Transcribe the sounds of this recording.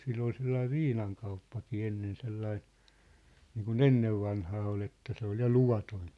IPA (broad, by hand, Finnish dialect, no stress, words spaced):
silː ol selːɑiʋ̆ ʋiːnɑŋkɑupːɑkiː enːen selːɑi niːkun enːeʋːɑnhɑː ol etːæ se ol jɑ luʋɑtoĭn̞